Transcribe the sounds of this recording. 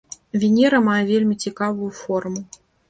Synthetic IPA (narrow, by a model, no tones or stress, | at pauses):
vʲinʲɛɾɐmajɛvʲelʲmʲit͡sʲikavujufɔrmʊ